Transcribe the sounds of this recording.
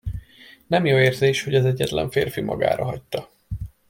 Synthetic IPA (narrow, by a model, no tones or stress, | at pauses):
nɛmjoːeːrzeːʃho̞ɟɒzɛɟːɛt̪lɛ̰ɱfeːrfimʔɒ̰ɡa̰ːɾɒɦɒc̚t̪ɒ